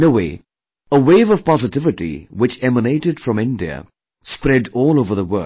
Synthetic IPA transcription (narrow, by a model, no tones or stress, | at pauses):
noweɪ | əweɪvʌv̥pɑzɨtɪvɨʈḭwɨt͡ʃɛməneɪʈɨdfɹʌ̃mɪ̃ndiə̰ | spɾɛdɔːlˠoʊvə˞ðəwɜ̰˞